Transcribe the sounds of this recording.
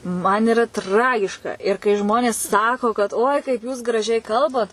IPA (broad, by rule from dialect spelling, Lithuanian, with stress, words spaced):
mɐn ɪˈrɐ ˈtrɑːɡʲɪʃkɐ ɪr kɐɪ ˈʒmoːnʲeːs ˈsɑːkoː kɐt oːɪ kɐɪp juːs ɡrɐˈʒʲɛɪ ˈkɐlˠbɐt